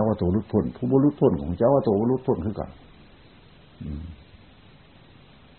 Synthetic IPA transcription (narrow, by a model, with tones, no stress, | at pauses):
a˧˥wa˧t̪oː˨˩˦lu˧˥t̪̚pʰo˧˩˨npʰuː˧˨bɔ˧˨lu˦˥t̪̚pʰo˧˥˨nkʰɔː˨ŋkʰa˧t͡ɕa˧˨waː˧t̪oː˧˨˦bɔː˧˥lu˧˥t̪̚pʰo˧˥˨nkʰɯː˧ka̰˨˩ | ʔɯː˨˩